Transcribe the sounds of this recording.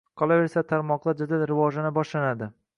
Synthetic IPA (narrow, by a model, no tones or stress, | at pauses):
qʰɒlˠaveɾsat̪ʰaɾmɒqd̪ˠad͡ʒad̪alɾɪvɒʒanɪbɒʃlanad̪ɪ